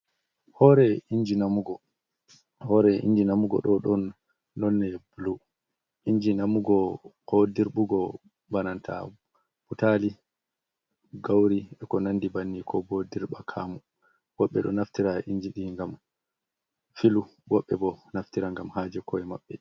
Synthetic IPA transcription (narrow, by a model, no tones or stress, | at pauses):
hɔɾɛiɲd͡ʒinamuɡɔ | hɔɾɛḭɲd͡ʒinamuɡɔ̰ɗɔɗɔnː | ɔnːɛbulu | ʔiɲd͡ʒinamuɡɔhodiɾɓuɡɔ | banantʰa̰ | b̥utali | ɡawɾiɛkɔnandibanːikʰɔbodiɾɓakʰamu | wɔɓːɛ̰ɗɔ̰naftiɾaʔiɲd͡ʒiɗiŋɡam | filuwɔɓːɛbɔnaftiɾaŋɡamhad͡ʒɛkʰɔɛma̰ɓːɛ